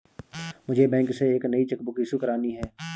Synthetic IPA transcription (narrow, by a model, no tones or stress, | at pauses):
mʊd͡ʒʱebɛ̃ːŋkseeːknɐit͡ʃəkbʊkiːsukəɾaːniɦɛː